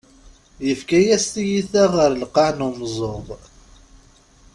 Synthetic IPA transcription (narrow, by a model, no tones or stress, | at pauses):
jəfkæjæst̪ijiθæʁəɾlqɑʕnumzˤoðˤ